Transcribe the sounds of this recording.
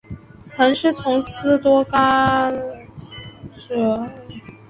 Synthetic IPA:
t͡sʰa˧˥ŋʂɻ̩˥˩t͡sʰʊ˧˥ŋsɹ̩˥˩t̪wɔ˥ka˥ | ʂ̩˥˩

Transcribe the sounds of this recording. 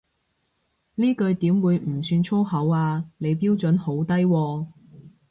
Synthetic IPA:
liː˥kɵ˧ɥt̪iː˨˥mwuː˨˧jm̩˨˩syː˧nt͡sʰo˥ɦɐ˨˥waː˧ne˨˧jpiː˥wt͡sɵ˨˥nho˨˥wt̪ɐ˥jwɔː˧

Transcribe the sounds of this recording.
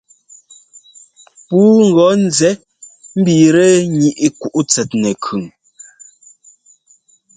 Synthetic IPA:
puː˦ŋ̩˨ɡɔ˨˦n̩˦zɛ˨˦ | m̩˦biː˨ɾɛ˦ɲi˨ʔi˦ku˦˨ʔu˦t͡sɛ˨tnɛ˨kʰʉ˨ŋ

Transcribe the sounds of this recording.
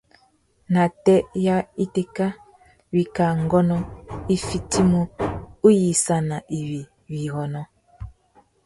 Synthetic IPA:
na˨tɛ˦ja˦i˦te˦ka˦ | wi˨ka˨ŋ˦ɡɔ˦nɔ˦i˦fi˦ti˦mo˦u˦ji˨sa˨na˨ʔi˨wi˨ | wi˨ɣɔ˨nɔ˦

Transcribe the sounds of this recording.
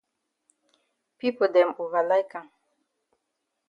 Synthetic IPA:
pi˦po˨dɛ˨mo˨va˨la˦jkã˨ŋ

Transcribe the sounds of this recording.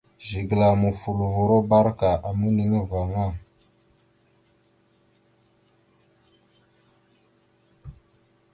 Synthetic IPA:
ʒi˨ɡla˨mu˨fu˨lu˨vu˨ɾo˦ba˦ɾka˨ʔa˨mə˦ni˨ŋe˦va˨ŋa˦˨

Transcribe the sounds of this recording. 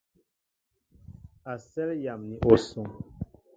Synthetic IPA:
a˨sɛ˦lja˨mni˨ʔo˨sɔ˨ŋ

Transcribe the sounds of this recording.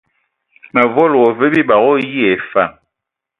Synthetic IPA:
mɛ˨vɔ˦˨lɔ˨ve˦bi˦ba˨ɣo˦ji˦e˨fa˦˨

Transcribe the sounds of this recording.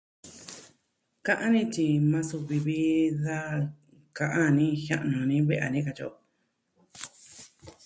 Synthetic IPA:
kã˦˧ʔã˦nĩ˦t͡ʃi˧mã˧su˧βi˧βi˦ða˦ | kã˧ʔã˦˧nĩ˦hã̰˦˧ʔnũ˨nĩ˦βe˦ʔa̰˨nĩ˦ka˧t͡ʃo̰˧˨˧

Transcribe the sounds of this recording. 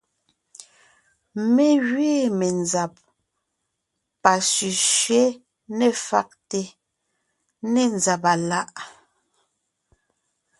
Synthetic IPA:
me˦˨ɣɥeː˦˨me˨nza˨p̚ | a˨sy˨ʃɥe˦ | nɛ˦˨fa̰˦k̚te˨ | ne˨nza˨pa˨la˦ʔ

